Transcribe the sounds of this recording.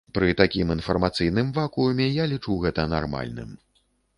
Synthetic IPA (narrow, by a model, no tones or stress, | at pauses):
pɾɨt̪akʲiminfɐrmat̪sɨjn̪ɨmvakuumʲɛjalʲit͡ʂuɣɛt̪ɐna̰rma̰lʲnɨ̰m